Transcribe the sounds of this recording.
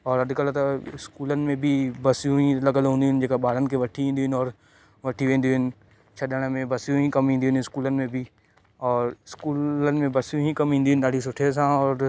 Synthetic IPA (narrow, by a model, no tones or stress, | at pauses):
ɔːɾɐd̪ʱkəlt̪ɐɪskuːlənɪ̆mẽbʱibɐsijũĩlɐɡəlɦũːnd̪iɦɪnɪ̆d͡ʑeːkaɓaːɽənɪ̆kʰeʋɐʈʰiĩnd̪iɦɪnɔːɾ | ʋɐʈʰiʋẽːnd̪iɦɪnɪ̆ | t͡ʃʰɐɗəɽ̃mẽbɐsijũɦĩkɐmɦĩːnd̪iɦʊnɪskuːlənɪ̆mẽbʱi | ɔːɾɪskuːlənɪ̆mẽbɐsjũɦĩkɐmɦĩːnd̪iɦʊnɪɗ̪aːɖʱis̬ʊʈʰes̬ãɔːɾ